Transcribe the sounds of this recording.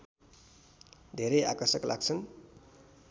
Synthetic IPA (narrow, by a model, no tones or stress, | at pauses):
d̪ʱeɾʌja̰kʌrsʌklʔa̰ɡ̚t͡sʰʌn